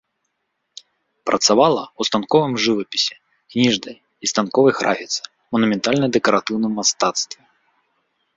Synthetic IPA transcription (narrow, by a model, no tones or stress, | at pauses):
pɾʔɐt̪savalˠɐwst̪ankɔvɨmʐɨvɐpʲi̥sʲɛ̥ | knʲiʐnɐj | ist̪ankɔvɐjxɾʔa̰fʲit̪sɨ̥ | mɐnumʲɛnt̪alʲnɐd̪ɛkɐɾat̪ɨwnɨmːast̪at̪st̪vʲɛ